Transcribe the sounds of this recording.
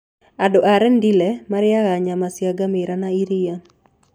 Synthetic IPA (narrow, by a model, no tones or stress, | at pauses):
adɔʔaɾɛndilɛmaɾɪjaɣaɲamasjaɡamɪɾanaiɾɪja